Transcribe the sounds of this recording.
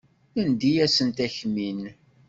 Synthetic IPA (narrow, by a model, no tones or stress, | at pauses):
ənd̪ijæsənt̪æçmin